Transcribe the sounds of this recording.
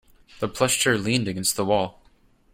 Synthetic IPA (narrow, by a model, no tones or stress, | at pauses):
ðəpʰl̥ɛst͡ʃə˞lĩndɨɡɛ̃nst̪̚ðəwɔlˠ